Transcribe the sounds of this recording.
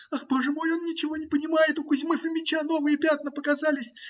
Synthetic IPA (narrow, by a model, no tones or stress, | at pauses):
axboʐɨmo̞jo̞nːʲɪt͡ɕɪvo̞nʲɪpənʲɪmajɪt̪ʊkʊzʲmɨfɨmʲɪt͡ɕano̞vɨjəpʲat̪̚nəpəkɐzalʲɪsʲ